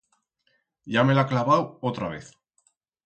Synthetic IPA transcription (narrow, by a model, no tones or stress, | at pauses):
ɟ͡ʝame̞laklaβawot̪ɾaβ̞ḛθ